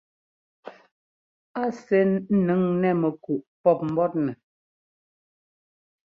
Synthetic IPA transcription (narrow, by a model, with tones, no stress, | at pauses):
a˦sɛ˦nə˨˦ŋnɛ˦˨mɛ˨ku˨ʔpɔ˦˨p̚m̩˨˦bɔ˦t̚nɛ˨